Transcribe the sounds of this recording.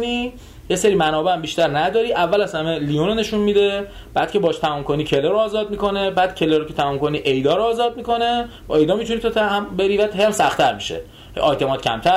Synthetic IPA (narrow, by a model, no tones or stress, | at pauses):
niː | jeseɾiːmænɒːbeæmbiʃt̪æɾnæd̪ɒːɾiːʔævːælæshæmelijunone̞ʃunmid̪e̞ | b̥æːd̪̥̚cʰebɒːʃt̪ʰæmɒːmkʰo̞niːcʰe̞leɾoɒːzɒːd̪̚miko̞nebæːd̪̥̚cʰe̞leɾokʰet̪ʰæmuːmko̞niːʔejd̪ɒːɾoːzɒːd̪̚miko̞ne̞bɒ̰ːe̞jd̪ɒːmit̪ʰunit̪ʰot̪ʰæmbeɾivæd̪ɦejæmsæxt̪ʰæɾmiʃḛ | ʔɒjt̪ʰe̞mɒːt̪cʰæ̰mt̪ʰæ